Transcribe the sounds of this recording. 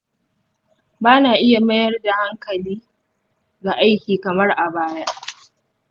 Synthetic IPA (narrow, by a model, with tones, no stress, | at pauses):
baː˦naː˨ʔɪ˦ja˨mɐ˦jɐ˦rda˨ha˦ŋkɐ˨liː˦ | ɡa˨ʔa˦jkʲiː˨kɐ˨mɐ˦rʔa˨baː˦ja˦ʔ